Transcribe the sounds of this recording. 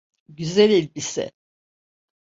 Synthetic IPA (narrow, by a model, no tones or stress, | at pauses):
ɟyzælʲelʲbisɪ̰